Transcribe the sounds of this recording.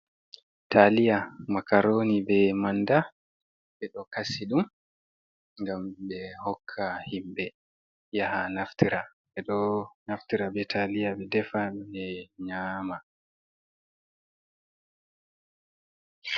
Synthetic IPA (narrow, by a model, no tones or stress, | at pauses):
tʰalijamakaɾoːnibɛmanda | ɓɛɗɔkasiɗum | ŋɡambɛhɔkʰːahimbɛ | jahanaftiɾaɓɛɗɔnaftiɾabɛtʰalijaɓɛdɛfaɗɛɲaːma